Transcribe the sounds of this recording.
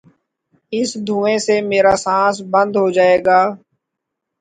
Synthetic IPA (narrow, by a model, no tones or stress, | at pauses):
ɪsd̪ʱũːẽːsemeːɾaːsãːsbə̃nd̪ɦod͡ʒaːeːɡaː